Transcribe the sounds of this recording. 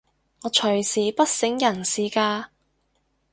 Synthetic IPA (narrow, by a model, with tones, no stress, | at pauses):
ŋɔː˨˧t͡ʃʰɵ˨˩ɥsiː˨˩pɐ˥t̚sɪ˨˥ŋjɐ˨˩nsiː˨˥kaː˧